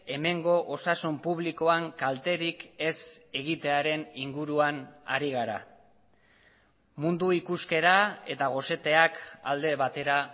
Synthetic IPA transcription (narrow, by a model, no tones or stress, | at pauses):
e̞me̞ŋɡo̞ʔosasumpuβliko̞aŋkalt̪e̞ɾike̞se̞ɣit̪e̞aɾe̞niŋɡuɾuana̰ɾiɣ̞aɾa̰ | mund̪uikuske̞ɾae̞̰t̪aɣ̞o̞se̞t̪e̞aka̰ld̪e̞βat̪e̞ɾa